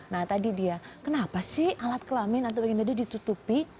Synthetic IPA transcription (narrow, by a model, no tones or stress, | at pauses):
naht̪adidiakənapasɪhʔalat̪̚kəlamɪnat̪awbakɛnt̪adidit̪ut̪upi